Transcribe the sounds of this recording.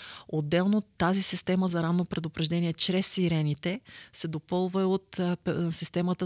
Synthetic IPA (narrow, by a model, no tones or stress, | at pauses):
od̪ːɛlˠnot̪ːazisist̪ɛməzɐɾanːopɾɛd̪opɾɛʒd̪ɛniɛt͡ʃɾɛsːiɾɛnit̪ɛsɛd̪opɤlˠvəot̪sist̪ɛmət̪ə